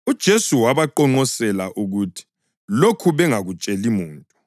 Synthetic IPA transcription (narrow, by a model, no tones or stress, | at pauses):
ud̥ʒ̥ʱesuwaβaǃɔŋ͡ǃɔsɛlaʔuɣutʰi̥ | lokʰuβɛŋaɣut͡ʃʼelimuːntʼu